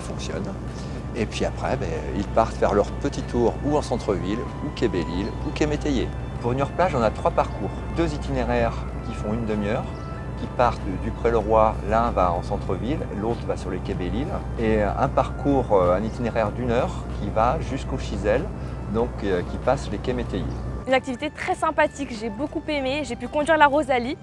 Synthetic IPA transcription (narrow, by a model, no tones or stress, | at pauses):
fɔ̃ksjɔ̰n | epɥiapχɛ̰bɛø̰ilpaʁt̪fɛʁlœʁpət̪it̪ʰuʁuɑ̃sɑ̃t̪χəvil | ukʲabelilukemet̪eje | puʁynœʁplaʒɔ̃nat̪χwapaʁkuːʁd̪øzit̪ineʁɛʁ | kʲifɔ̃ynd̪əmjœʁ | kʲipaʁt̪d̪ypχɛləʁwalɛ̃vaɑ̰̃sɑ̃t̪χəvilelot̪χəvasyʁlekʲebelil | eɛ̰̃paʁkuʁøɛ̃nit̪ineʁɛʁd̪ynœʁ | kʲivaʒyskoʃizɛld̪ɔ̃køkʲipaslekʲemet̪ejḛynak̚t̪ivit̪et̪χɛsɛ̃pat̪ikʒebokupemeʒepykɔ̃d̪ɥiʁlaʁozali